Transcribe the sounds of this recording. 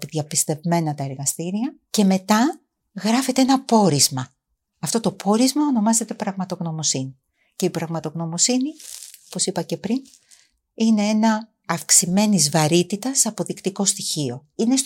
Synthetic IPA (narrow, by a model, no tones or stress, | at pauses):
piðjɐpist̪e̞vme̞nɐt̪ɐeɾɣɐst̪iɾiɐce̞me̞t̪ɐ | ɣɾɐfe̞t̪eenɐpo̞ɾizmɐ | ɐft̪o̞t̪o̞po̞ɾizmɐono̞mɐze̞t̪e̞pɾɐɣmɐt̪o̞ɣno̞mo̞sini | ce̞ipɾɐɣmɐt̪o̞ɣno̞mo̞siniopo̞sipɐce̞pɾin | ine̞e̞nɐː | fksime̞nizvɐɾit̪it̪ɐsɐpo̞ðikt̪iko̞st̪içio̞ine̞s